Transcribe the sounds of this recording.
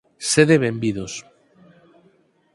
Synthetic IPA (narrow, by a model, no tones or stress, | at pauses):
seðeβembiðos